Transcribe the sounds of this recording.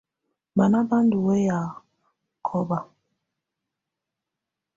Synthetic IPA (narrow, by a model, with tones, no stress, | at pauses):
ba˨na˦ba˦n˦du˨we˦ja˨ | kʰɔ˦ba˨